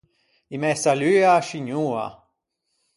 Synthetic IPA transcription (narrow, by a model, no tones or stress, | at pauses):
imɛsalyaʃiɲuːa̰